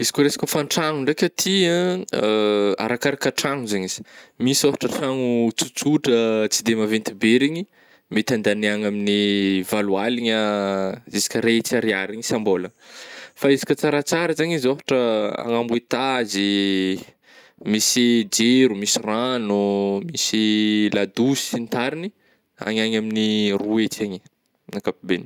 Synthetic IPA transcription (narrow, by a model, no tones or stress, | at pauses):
izi̥kʲuɾesḁkʲufanʈ͡ʂaŋuɳɖ͡ʐekʲət̪ʰia | a̰ɾakaɾakəʈ͡ʂaŋuzaɲiz̥i̥misofḁʈ͡ʂəʈ͡ʂaŋut͡sut͡suʈ͡ʂət͡sid̪emavent̪ibeɾiɲi | met̪and̪aneaŋaminivalualiɲa | izi̥kʲəɾet͡siaɾiaɾiɲisambolafaizi̥kʲət͡saɾat͡saɾəzaɲizofḁʈ͡ʂəa̰ŋambuet̪azi | misid͡ʒeɾumisiranumisilad̪usint̪aɾini | a̰ɲaɲaminiruet͡saɲi | nakapibeni